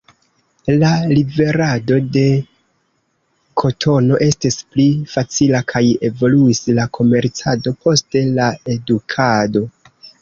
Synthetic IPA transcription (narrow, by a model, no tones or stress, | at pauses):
lalibe̞ɾado̞de̞ | kʰo̞tʰo̞no̞ʔe̞stisplifat͡silakʰaje̞vo̞luislakʰo̞me̞ɾt͡sado̞pʰo̞ste̞lae̞dukʰado̞